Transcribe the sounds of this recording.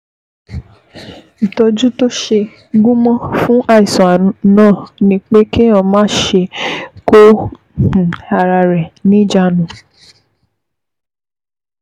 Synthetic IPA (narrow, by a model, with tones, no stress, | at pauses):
i˨tɔ˧d͡ʒu˦to˦ʃe˧ | ɡũ˦mɔ̃˦fũ˦ʔa˦˨i˨sɔ̃˨a˨nãː˦˨nĩ˦k͡pe˦kĩ˦ã˦˨mãː˦˨ʃe˧kõ˦˨ | a˨ɾa˧ɾɛ˨nĩ˦d͡ʒa˦nũ˨˦